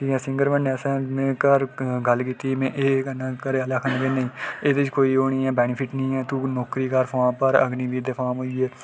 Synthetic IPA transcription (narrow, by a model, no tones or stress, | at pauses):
ʈiːkɛ̃ːsɪ̃ŋɡəɾʋənɛːsɛ̃ːmẽːkəɾɡəlkiːt̪iːmẽːʔeːkənãːkəɾeːələkʰnɡeːnəĩːeːd̪ɪt͡ʃkoːiːɦoːniːɛːbɛːnɪpʰɪʈnĩːɛːt̪uːnɔːkɾiːkəɾfʰaːpəɾə̰ɡniːbiːd̪eːpʰaːmɦoːiɛː